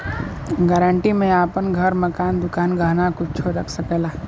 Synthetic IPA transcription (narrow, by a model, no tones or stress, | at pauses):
ɡɛːɾəɳʈimẽaːpənɡʱəɾməkaːnd̪ʊkaːnɡəɦnakʊt͡ʃt͡ʃʰoɾəkʰsəkeːlaː